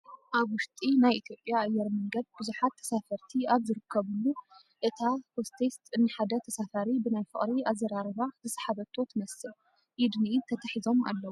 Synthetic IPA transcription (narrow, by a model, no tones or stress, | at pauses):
ʔaβwʊʃt̪ʼinajʔit̪ʰjo̞pʼːjaːjːɛɾmɐŋɡɐd̪̚bɨzuħat̪ʰːɐ̥safɐɾt̪ʰiaβzɨɾɨkʰːɐβɨlːu | ʔɨt̪ʰahost̪ʰest̪ɨnːɨħad̪ɐt̪ʰɐsafaɾibɨnajfɨ̰χʼɾiazːɐɾaɾɨβazɨsħaβɐt̪ʰo̞t̪mɐsɨl | ʔid̪niːt̪ʰɐt̪ʰɐħizo̞ma̰lːɐwu